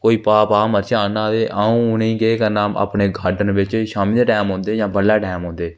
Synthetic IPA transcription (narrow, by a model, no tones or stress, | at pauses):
koːiːpaːpaːməɾt͡ʃaːnaːd̪eːʔaũːʊnẽĩːɡeeːkəɾnaːma̰ːpneːɡʱaːɾɖənʋɪt͡ʃʃaːmĩːd̪eːʈɛːmɦõːnd̪eːd͡ʒãːbəlːaːʈɛːmɦõːnd̪eː